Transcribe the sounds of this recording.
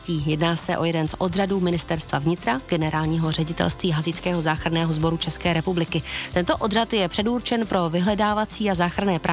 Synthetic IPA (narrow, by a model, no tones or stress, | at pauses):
ciːjɛdnaːsɛʔo̞jɛdɛnsʔo̞d̪raduːmɪnɪst̪ɛɾst̪va̰vɲɪt̪ɾaɡ̥ɛnɛɾaːlɲiːɦorɛɟɪt̪ɛ̰lst̪viːɦazɪt͡skɛːɦo̞zaːxɾanɛːɦo̞zbo̞ɾut͡ʃɛskɛːɾɛpublɪkɪt̪ɛnt̪o̞ʔo̞d̪rat̪jɛpr̝̥ɛdurt͡ʃɛnpɾo̞vɪɦlɛdaːvat͡siːazaːxɾanɛːpɾa